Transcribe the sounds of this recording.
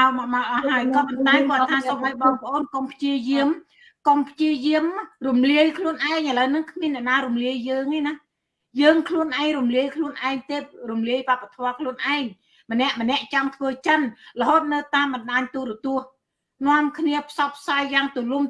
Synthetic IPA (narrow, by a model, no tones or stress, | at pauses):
awmamawʔɑɦaəjkɑːpɑnt̪aɛkŏəttt̪ʰaːsomʔajɓɑːŋpə̆ʔoːnkompʰt͡ɕiəjiəm | kompʰt͡ɕiəjiəmrumliəjkʰluənʔaɛŋʔələwnɨŋkʰmiənːɛ̆əʔnaːɾumliəjːəːŋeːna | jəːŋkʰluənʔaɛŋrumliəjkʰluənʔaɛŋt̪eːp̚rumliəjʋapːat̪ʰɔəkʰluənʔaɛŋ | mə̆nɛ̆əʔmə̆nɛ̆əʔt͡ɕamt̪ʰʋəːt͡ɕənlə̆ɦoːt̪̚nɨwt̪aːmɓɑnɗaːɲt̪uːɾɔt̪ʊ̆əh | nŏəmkʰniəpʰsɑp̚ʰːsajːaːŋt̪ulum